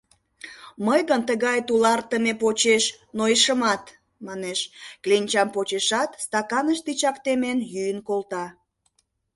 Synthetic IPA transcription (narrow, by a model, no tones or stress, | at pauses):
məjɣənt̪əɣɑjt̪ulɑrt̪əmepot͡ɕeʃ | noiʃəmɑt̪ | mɑneʃklinʲt͡ɕɑmpot͡ɕeʃɑt̪st̪ɑkɑnəʃt̪it͡ɕɑkt̪emenjyjənkolt̪ɑ